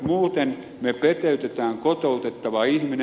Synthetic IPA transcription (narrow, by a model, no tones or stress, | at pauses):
muːt̪en | mepet̪eyt̪et̪æːŋkot̪oˑut̪et̪ːɑʋɑihmin